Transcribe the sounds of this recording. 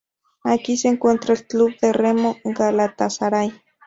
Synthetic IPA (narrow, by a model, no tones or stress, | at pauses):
akiseːŋkwent̪ɾaelkluβd̪eremoɡalat̪asaɾaj